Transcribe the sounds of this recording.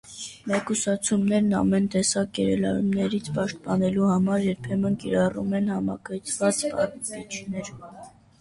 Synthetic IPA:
mɛkusɑt͡sʰumnɛɾnɑ̰mɛnt̪ɛsɑkjɛɾɛlɑ̰ɾṵmnɛɾit͡sʰpɑʃt̪̚pɑnɛluhɑmɑɾjɛɾpʰɛmənkiɾɑrṵmɛnhɑmɑ̰kəjt͡sʰvɑt͡spɑkit͡ʃʰnɛɾ

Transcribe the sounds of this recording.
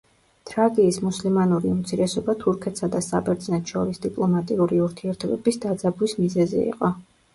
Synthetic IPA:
t̪ʼɾaɡiːsmuslimanuɾiumt̪sʰiɾɛsɔbat̪ʰuɾkʰɛt̪ʰsad̪asa̰bɛɾd̪znɛt̪ʰʃɔɾisd̪ipʼlˠɔmat̪ʼiuɾiuɾt̪ʰiɛɾt̪ʰɔbɛbisd̪ad̪zabwismizɛzɛ̰ḭqʼɔ

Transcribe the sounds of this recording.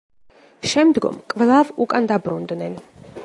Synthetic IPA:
ʃɛmd̪ɡɔ̰mkʼvlˠavukʼand̪abɾund̪nɛn

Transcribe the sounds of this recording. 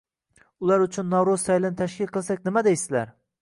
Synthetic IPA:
ʊlˠaɾʊt͡ʃʰʊnːɒwɾʊz̥sajlɪnɪt̪ʰaʃkʲɪlˠqʰɨlˠsakʲnɪmad̪ejsɪzla̰ɾ

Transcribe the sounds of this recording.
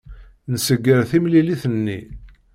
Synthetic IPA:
nəsəɡːəɾθimliliθənːḭ

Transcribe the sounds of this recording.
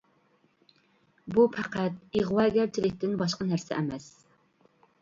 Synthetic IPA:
bupʰæqʰæt̪̚iʁwɑːɡʲæɾt͡ʃʰɪlɪk̚ʲt̪ɪnbɑʃqənæɾsɪ̰ʔɛmɛs

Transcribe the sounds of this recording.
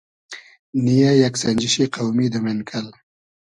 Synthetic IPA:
nijajaksand͡ʒɪʃiqawmid̪əmenkʰal

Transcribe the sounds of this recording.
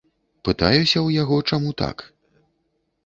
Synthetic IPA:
pɨt̪a̰jusʲɐwjaɣɔt͡ʂamut̪a̰k

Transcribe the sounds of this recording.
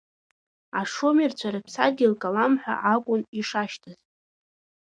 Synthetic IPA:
aʂomirt͡ɕʷʰaɾapʰsa̰d̚ɡʲilkʼalamħʷa̰ʔakʷʼʊniʂaʃtʰɨz

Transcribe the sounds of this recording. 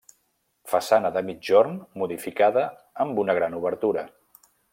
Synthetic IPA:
fəsanəðəmid͡ʒoɾnmuðifikaðəː | mbunəɣ̞ɾanuβəɾt̪uɾə

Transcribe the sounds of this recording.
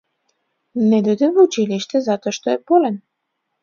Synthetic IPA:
ned̪ød̪evut͡ʃiliʃt̪ezɑt̪oʃt̪oepolen

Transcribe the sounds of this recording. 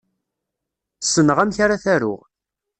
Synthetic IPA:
sːənəʁæmçaɾaθæɾʊ̰ʁ

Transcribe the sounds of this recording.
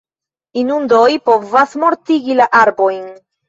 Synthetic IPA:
inundo̞jpo̞vasmo̞ɾtiɡilaʔaɾbo̞jn

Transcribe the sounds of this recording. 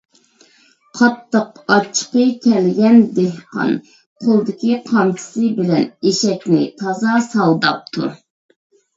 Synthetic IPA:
qʰɑt̪ːəqɑt͡ʃʰːə̥qəkʲɛlɡʲɛnd̪ehqɑ̰n | qʰolˠd̪ɪkʲiqʰɑmt͡ʃʰɪ̥sɨbɪlɛneʃɛkʲnɪ̰t̪ʰɑzɑsɑlˠd̪ɑp̚t̪ʰṵ

